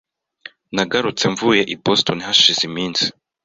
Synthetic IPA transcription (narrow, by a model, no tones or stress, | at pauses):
naɡaɾut͡se̞ɱvuje̞ʔibostonihaʃizimiːnsi̥